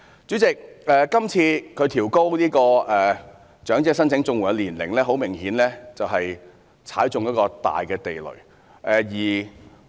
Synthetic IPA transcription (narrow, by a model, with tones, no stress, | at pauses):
t͡syː˨˥t͡sɪ˨k̚ɛː˨˧kɐ˥mt͡sʰiː˧kʰɵ˨˧ɥt̪ʰiː˨˩wko˥wniː˥kɔː˧ɛː˨˩ | t͡ʃœː˨˥ŋt͡sɛː˧˥sɐ˥nt͡sʰɪ˨˥ŋt͡sʊ˧ŋwu˨˩ɐ˨˧liː˨˩nlɪ˨˩ŋlɛː˥ɦo˨˥wmɪ˨˩ŋhiː˨˥nlɛː˥t͡sɐ˨wɦɐ˨j | t͡sʰa̰ː˨˥jt͡sʊ˨ŋjɐ˥t̚kɔː˧t̪a̰ː˨jkɛː˧t̪e˨jlɵ̰˨˩ɥ | ʔɛː˨jiː˨˩